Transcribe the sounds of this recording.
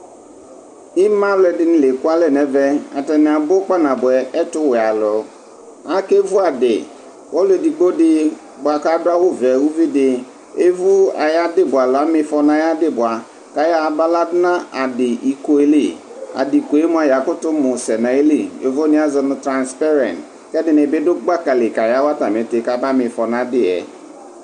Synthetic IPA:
ɪ˦mã˦wlɛ˨dɪ˦nɪ̃˨le˨kʊ˦a˦lɛ˦˨nɛ˨vɛ˦a̰˨tɛ˨nɪ̃˨a˨bʊ˦k͡pa˦nã˨bʊ˨ɛ˨ɛ˦tʊ˦wɛ˨a˨lʊ˨ | a˦ke˦vu˦a˨dɪ̰˨ | wɔ˦le˨di˨ɡ͡bo˦dɪ˦ | bʊ˨a˨ka˦dʊ˦a˦wʊ˦vɛ˨wu˦vi˦dɪ˨ | e˦vu˦a̰˨ja˦dɪ˦bʊ˨a˨lʊ˨a˦mɪ˦fɔ˨nã˨ja˦dɪ˦bʊ˨a˨ | ka˨ja˦˨ba˦la˦dɪ˦na˦a˨dɪ˨ʔi˨ko˨˦e˦li˨a̰˨di˨ko˨e˦mʊ˦a˨ja˨kʊ˦tʊ˦mʊ˨sɛ˨na˨e˦li˦˨jo˨vo˦ni˦a˦zɪ˨nʊ˨tɾa˨nspa˦ɾɛ˨nt | kɛ˦dɪ˨nɪ˨bɪ˦dʊ˦ɡ͡ba˦ka˨le˨ka˨ja˦wa˦ta˨m˨e˨te˨˦ka˦ba˦mɪ˨fɔ˨na˦dɪ˦ɛ̰˨

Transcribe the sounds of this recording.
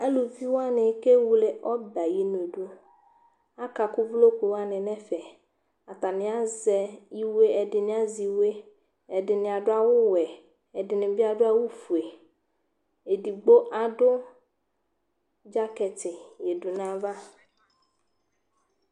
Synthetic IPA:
a˦lu˨vi˦wo˦a˦nɪ̃˨˦ke˦wu˨le˨ʔɔ˦ba˨ji˨nũ˨e˨ɖu˦ | a˦ka˨kʊ˦vlo˦kʷe˨wo˦a˦nɪ̃˨nɛ̃˦fɛ˨ | a˨t̪a˨nɪ̃˨˦a˦zɛ˨ji˦we˦ɛ˨dɪ˨nɪ̃˨˦a˦zi˨we˦ | ɛ˨dɪ˨nɪ̃˨a˨ɖʊ˦a˦wʊ˦wɛ˨ | ɛ˨dɪ˨nɪ̃˨bi˦a˨ɖʊ˦a˦wu˦fu˨e˨ | e˨di˨ɡ͡bo˦ʔa˨ɖʊ˦ | d͡ʒa˦kɛ˨t̪ɪ˨je˨du˨nã˦va˦

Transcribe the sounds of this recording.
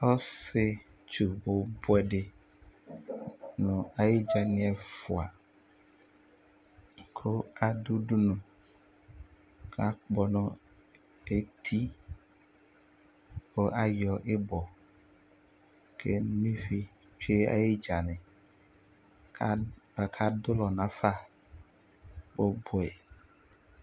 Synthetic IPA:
o˦se˦ | t͡ʃu˨bo˨bwɛ˨ɖe˨ | nɔ̃˨a˨ji˦d͡ʒa˨nĩ˦ɛ˨fu˨a̰˨ | kʰo˦a˨ɖu˦ɖu˦nũ˨ | kʰa˦k͡pɔ˨nɔ̃˨ | e˦t̪ʰi˦ | ko˦ʔa˦jɔ˨ʔe˦bɔ˨ | kʰḛ˦mĩ˦fi˨ | t͡ʃe˦a̰˦ji˦d͡ʒa˨nɛ̃˨˦ | a˨kʰa˦dʊ˦lɔ˨nã˨fa˦ | bo˦bʊ˨ɛ˨

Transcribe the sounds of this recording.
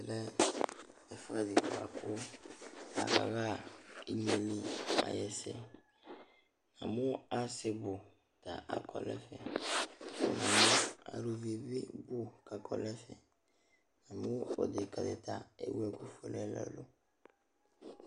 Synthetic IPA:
ɾɛ˦ | ɛ˨fa˦di˨ka˨kʰo˦ | a̰˨ka˨ka˦i˨ɲe˨lĩ˦a̰˨jɛ˨sɛ˦ | nã˨mũ˦a˨se˨bo˨ | ta˨ʔa˨kʰɔ˨lɛ˦fɛ˨ | nã˨mũ˦a̰˨ɾu˨vi˨bi˦bu˦ka˨kʰɔ˨lɛ˦fɛ˨ | nã˨mũ˦o̰˨de˨ka˨dɛ̰˨ta˦ḛ˦wɛ˨ku˦fo˦lɛ˦la̰˨lo˦

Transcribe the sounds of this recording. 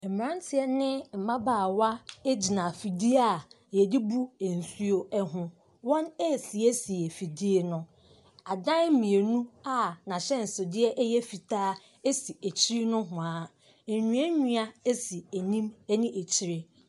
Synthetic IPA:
ɛ˨m˨ɾã˦n˦tʰɪ˨ɛ˦nɪ̃˦m̩˨mã˦baː˦˨wa˦e˦d͡ʑi˨nã˨fi˨di˦a˦˨ | jɛ˨di˦bu˦e˨n̩˨su˦o˦ɛ˦ɦʊ̃˦ | wɔ̃˦ne˦˨si˨e˦si˨e˨fi˨di˦e˨nʊ̃˦ | a˨dã˦m˦mĩ˨e˨nũ˦a˦nã˨ɕɛ˦n̩˨so˨dɪ˦ɛ˦ʔjɛ˦fi˨tʰaː˦ | e˦si˨e˨t͡ɕʰi˦ɾi˦nʊ̃˦ɦʊ̃˨a˨ | ɲũ˨˦ɛ˦ɲũ˦a˦e˦si˨e˨nĩ˦mɛ˦nĩ˦ʔe˨t͡ɕʰi˦ɾɪ˦

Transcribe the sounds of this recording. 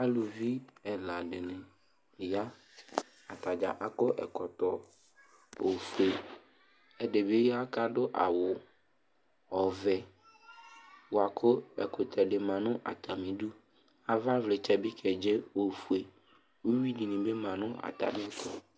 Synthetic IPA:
a˦lu˨vi˦ɛ˨la˨ɖɪ˨nɪ̃˨ | ja˦ | a˨t̪a˨d͡ʒa̰˨ʔa˨kʊ˦ʔɛ̰˨kɔ˨t̪ɔ˨ | o˨fu˨e˨ | ɛ˦de˨be˦ja˦ka˦ɖʊ˦ʔa˨wʊ˨ | ɔ˨vɛ˨ | wʊ˨a˨kʰʊ˦ɛ̰˨kʊ˨t̪ʰɛ˨ɖɪ˨mã˨nʊ̃˦ʔa̰˨t̪ʰa˨mĩ˨ɖu˦ | a˨va˦vlɪ˨t͡ʃɛ˨bi˦kʰɛ˨d͡ʒe˦o˨fu˨e˨ | wu˦wi˦di˨nɪ̃˨be˦mã˨nʊ̃˦ʔa̰˨t̪a̰˨mĩ˦kʰɔ˨

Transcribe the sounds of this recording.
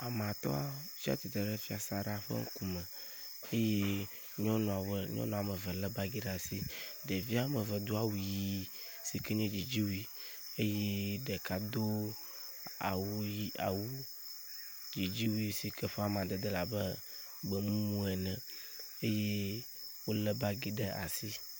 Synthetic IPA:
a˨m˨ã˨t̪ɔ̰˦a˦fi˦a̰˦t̪i˨t̪ɾə˨ɖɛ˦fi˦a˨sa˨ɖa˨ɸə̰˦ŋ̩˦ku˦mɛ̃˨ | e˦je˦ | ɲɔ̃˦nɔ̃˨a˨wə˦ɲɔ̰˦nɔ̃˨a˨mə˨və˨lɛ˦ba˦ɡi˦ɖa˨si˦ɖe˨vi˦a˨mə˨və˨d̪u˦a˦wu˨ji˦ | si˨kɛ˦ɲɔ̃˦d͡ʒi˨d͡ʑi˦wi˦ | e˦je˦ɖə˨ka˨d̪o˦ | a̰˨wu˦ji˦ʔa̰˨wu˦ | d͡ʒi˨d͡ʒi˦wu˦i˦si˨kʰɛ˦ɸɛ˦a˨mã˨d̪ə˨d̪ə˦la˨bə˦ | bə˨mũ˦mũ˦ɛ˨nɛ̃˨ | e˦je˦ | wo˦lə˦ba˦ɡi˦ɖə˦ʔa̰˨si˦

